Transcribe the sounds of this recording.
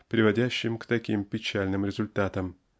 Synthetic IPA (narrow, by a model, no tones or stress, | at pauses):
pɾʲɪvɐdʲæɕːɪmkt̪ɐkʲimpʲɪt͡ɕalʲnɨmɾʲɪzʊlʲt̪at̪əm